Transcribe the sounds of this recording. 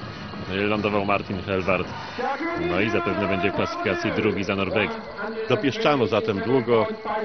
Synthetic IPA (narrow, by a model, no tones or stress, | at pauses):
ɛlːand̪ɔvawmaɾt̪ʲinxɛlvaɾt̪ | nɔizapɛvnɛbɛɲd͡ʑɛklasɨ̥fʲikat̪sʲjid̪ɾuɡʲizanɔɾbɛk | d̪̥ɔpʲjɛʂt͡ʂanɔzat̪ɛmd̪wuɡɔ